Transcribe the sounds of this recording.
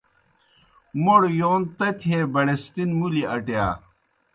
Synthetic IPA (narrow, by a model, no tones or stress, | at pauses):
moɽjoːnt̪ɐt̪ʰebɐnest̪inmuliɐʈeja̰ː